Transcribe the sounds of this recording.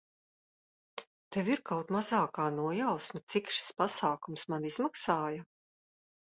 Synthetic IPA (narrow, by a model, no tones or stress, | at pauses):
t̪ɛviɾkawt̪mazaːkaːnuɔjawsmat̪sikʃi̥spasaːkumsmaniz̥maksaːjɐ